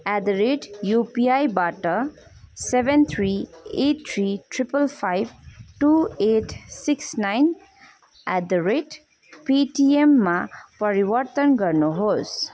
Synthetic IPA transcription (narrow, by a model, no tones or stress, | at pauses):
æd̪ɾeʈjupiajbaʈʌ | sebʱent̪ʰɾiet̚t̪ʰɾiʈɾipəlpʰajbʈueʈsiksnajn | æd̪ɾeʈ | piʈiemːapʌɾiwʌɾt̪ʌnɡʌɾnuɦos